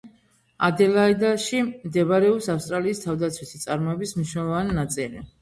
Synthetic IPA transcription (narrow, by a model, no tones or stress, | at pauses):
ad̪ɛlaid̪aʃimd̪ɛbaɾɛɔpsafst̪ʼɾaliːst̪ʰavd̪at̪sʰwit̪ʰit̪sʼaɾmɔɛbismniʃnɛlˠɔvaninat̪sʼilḭ